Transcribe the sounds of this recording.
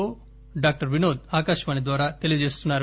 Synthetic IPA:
oː | ɖaːk̚ʈɐɾʋinoːd̪̚aːkaːʃʋaːnid̪ʋaːɾaːt̪elid͡ʒeːst̪unːaːɾ

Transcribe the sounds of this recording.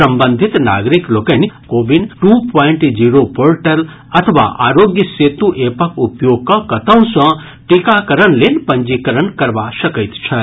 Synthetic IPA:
sɐ̃mbə̃nd̪ʱit̪na̰ɡɾiklokənikobinʈupʰɔiɳʈd͡ʒiɾopoɾʈəl | ɐt̪ʰʋa̰ʔa̰ɾoɡjəset̪uʔepəkupjoɡ̚kɐkɐt̪ə̃w̃sɐ̃ | ʈikakəɾənlenpə̃ɲd͡ʒikəɾənkɐɾʋasəkət̪t͡ʃʰɛ

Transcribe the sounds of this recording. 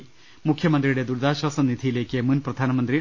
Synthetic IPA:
mukʰjɐmɐnd̪rijuɽe̞d̪uɾd̪aːɕɐsɐnid̪ʱijile̞ːkːɨmunprɐd̪ʱaːnɐmɐnd̪ri

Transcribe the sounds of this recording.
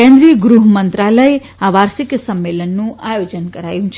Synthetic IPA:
ɛ̃nd̪ɾiəɡɾuɦmənt̪ɾaləe | aʋaɾsiksəmːelənːũajod͡ʒənkəɾa̰jũt͡ʃʰ

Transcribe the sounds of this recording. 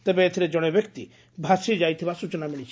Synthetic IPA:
t̪ebeet̪ʰiɾed͡ʒɔɽ̃ebjɔkt̪i | bʱasid͡ʒajt̪ʰibasut͡ʃɔnamiɽ̃it͡ʃʰ

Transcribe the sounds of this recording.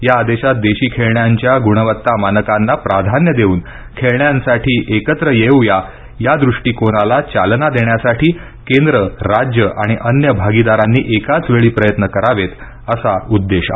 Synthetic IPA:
jaːd̪eɕat̪̚d̪eɕiːkʰeɭɳjaɲt͡ɕjaɡuɽəʋət̪ːamanəkanːapɾad̪ʱanjəd̪euːn | kʰeɭɳjãnsaʈʰiːʔekət̪ɾəjewja | jad̪ɾuʂʈiːkoɽ̃alat͡ɕalnad̪eɳjasaʈʰiː | kẽnd̪ɾəɾad͡ʑjəʔaɽ̃iʔənjəbʱaɡid̪aɾanːiːʔekat͡sʋeɭiːpɾəjət̪nəkəɾaʋet̪ | əsaud̪ːeɕa

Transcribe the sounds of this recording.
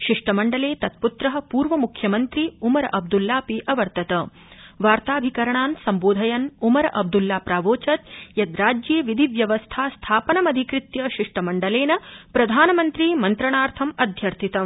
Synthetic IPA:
ʃiʂʈɐmɐɳɖɐleːt̪ɐt̪̚put̪ɾɐɦɐ̆puːɾʋɐmukʰjɐmɐnt̪ɾiumɐɾʔɐb̚d̪ulːaːpiʔɐʋɐɾt̪ɐt̪ɐ | ʋaːɾt̪aːbʱikɐɾɐɳaːnsɐmboːd̪ʱɐjɐnumɐɾɐʔɐb̚d̪ulːaːpɾaːʋoːt͡ʃɐt̪jɐd̪ɾaːd͡ʒjeːʋid̪ʱiʋjɐʋɐst̪ʰaːst̪ʰaːpɐnɐmɐd̪ʱikɾit̪jɐʃiʂʈɐmɐɳɖɐleːnɐpɾɐd̪ʱaːnɐmɐnt̪ɾimɐnt̪ɾɐɳaːɾt̪ʰɐmɐd̪ʱjɐɾt̪ʰit̪ɐ

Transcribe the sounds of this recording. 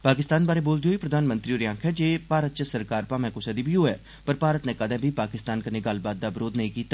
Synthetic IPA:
paːkɪst̪aːnbaːɾeːboːld̪ioːiːpɾəd̪aːnmə̃nt̪ɾiːoɾjãːŋkʰɛːd͡ʒeːpaːɾət̪̚t͡ʃəsəɾkaːɾpãːmɛ̃ːkʊsɛːd̪iːbʱiːɦoːɛ̰ː | pəɾpaːɾət̪nɛ̃ːkəd̪ɛ̃ːbʱiːpaːkɪst̪aːnkəneːɡəlbaːt̪̚d̪aːbɾoːd̪nəĩːkiːt̪ːaː

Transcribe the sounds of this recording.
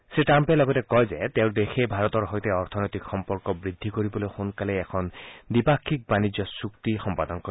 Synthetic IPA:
seʈampelɔɡɔt̪ekɔɦed͡ʒet̪eʊ̃d̪ekʰebʱaɾɔt̪ɔɾɦɔjt̪eɔɾt̪ʰɔnɔjt̪ikxɔmpɔɾkɔbɾid̪ʱːikɔɾibɔloxonkaleːkʰɔnd̪ipakʰːik̚banid͡ʒjɔsukt̪ixɔmpad̪ɔŋkɔ

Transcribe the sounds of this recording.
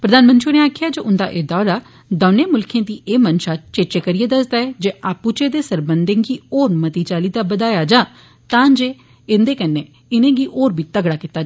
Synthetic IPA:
pɾəd̪aːnmənt̪ʃinẽːaːkʰɪjaːd͡ʒoʊnd̪a̰ːʔeːd̪ɔːɾaː | d̪əːneːmʊlkʰẽːd̪iːʔeːmənʃaːt͡ʃeːt͡ʃeːkəɾiːeːd̪əsd̪aːɛːd͡ʒeːʔaːpuːt͡ʃeːd̪eːsəɾbənd̪ẽːɡiːoːɾmət̪iːt͡ʃaːliːd̪aːbəd̪aːjaːd͡ʒãː | t̪ãːd͡ʒeː | ɪnd̪eːkənːeː | ɪnẽːɡiːʔoːɾbiːt̪əɡɽaːkɪt̪ːaːd͡ʒ

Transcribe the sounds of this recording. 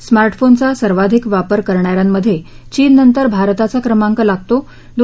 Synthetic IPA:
smaɾʈfont͡sasəɾʋad̪ʱikʋapəɾkəɾɳjaɾjamːəd̪ʱːje | t͡ɕiːnːənt̪əɾbʱaɾt̪at͡sakɾəmaŋkəlaɡ̚t̪o | d̪

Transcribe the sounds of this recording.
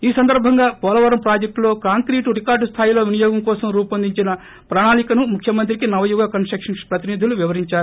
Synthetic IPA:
iːsɐnd̪ɐɾbʱɐŋɡaːpɔːlɐʋɐɾɐmpɾaːd͡ʒek̚ʈlo̞ːkaːŋkɾiːʈuɾikaːɾɖst̪ʰaːjilo̞ːʋinijɔːɡɐmkɔːsɐmɾuːpɐnd̪iɲt͡ʃinɐ | pɾaːɳaːlikɐnumukʰjɐmɐnt̪̬ɾikinɐʋɐjuɡaːkɐnsʈɾɐkʂɐnpɾɐt̪inid̪ʱuluʋiʋɐɾiɲt͡ʃaːɾu

